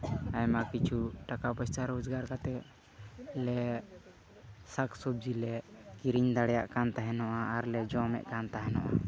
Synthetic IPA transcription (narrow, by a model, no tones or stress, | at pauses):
ajmakit͡ʃʰuʈakapəst͡ʃaɾod͡ʒɡaɾkat̪ɛ | lɛ | saksub̚d͡ʒilɛkiɾiɲd̪aɽɛjaʔkant̪aɦɛnɔʔaaɾlɛd͡ʒɔmɛ̰ʔkant̪aɦɛnɔʔa̰